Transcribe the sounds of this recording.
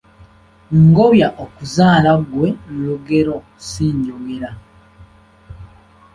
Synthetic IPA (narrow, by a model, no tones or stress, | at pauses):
ŋɡo̞βjaʔokuzaːlaɡwe̞nluɡe̞ɾo̞ | siːɲɟoɡe̞ɾa